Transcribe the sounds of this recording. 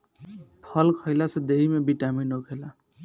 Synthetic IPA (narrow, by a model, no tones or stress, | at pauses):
pʰʌlkʰʌjlasʌd̪eɦimebiʈaminokʰela